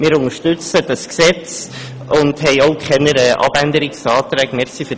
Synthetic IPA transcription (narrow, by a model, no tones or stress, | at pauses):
mɪːɾʊŋəʃtʉt͡səd̥ɑsksɛt͡s | ʊndhɛɪoʊkʰχɛnəɾɛʔɑ̰b̥ændəɾɪksɑːtɾɛːɡmɛɾχsiːfø